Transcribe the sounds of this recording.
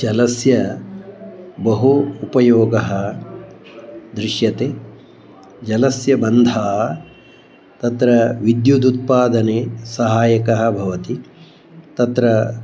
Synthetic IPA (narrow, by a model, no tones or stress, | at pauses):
d͡ʒɐlɐsjɐ | bɐɦuːpɐjoːɡɐɦɐ | d̪ɾɪʃjɐt̪eː | d͡ʒɐlɐsjɐbɐnd̪ʱaː | t̪ɐt̪ɾɐʋid̪jud̪ut̪̚paːd̪ɐneːsɐɦaːjɐkɐɦɐ̆bʱɐʋɐt̪i | t̪ɐt̪ɾɐ